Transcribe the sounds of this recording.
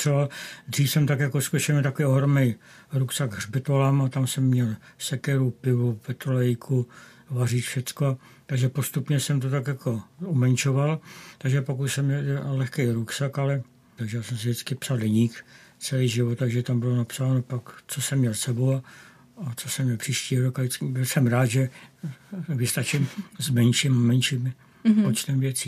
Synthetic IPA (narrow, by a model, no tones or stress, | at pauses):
rɛvald̪riːfsɛmt̪akjakoskoʃɪɛlmɛt̪akovioɦɾomnɛjɾuksaɡɦrbɪt̪olamat̪amsɛmːɲɛlsɛkɛɾupɪvupɛt̪ɾolɛjkʰu | variːt̪fʃɛt͡skoa | t̪aɡʒɛpo̞st̪upɲɛsɛmt̪ot̪akjakʰo̞umɛnt͡ʃo̞valt̪aɡʒɛpakuʃsɛmɲɛlɛlɛxkɛjɾuksakalɛ | t̪aɡʒɛjaːsɛmsɪdɪt͡skɪpsaldɛɲiːkt͡sɛliːʒɪvot̪̚t̪ːaɡʒɛt̪ambɪlonapsaːnopakt͡sosɛmːɲɛlsɛbowa | at͡so̞sɛmɲɛlpr̥iːʃciːɦoɾokaɪt͡sbɪlsɛmɾaːd̪ʒɛ | vɪst̪at͡ʃɪmzmɛnʃimamɛnʃiːm | pot͡ʃt̪ɛmvjɛt͡siː